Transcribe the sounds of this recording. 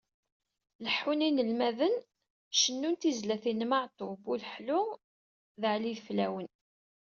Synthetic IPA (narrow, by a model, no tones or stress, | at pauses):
ləħːuninəlmæðən | ʃənːunt̪izlæθinmaʕt̪obuləħlʊʁ | ðʕliðflæwən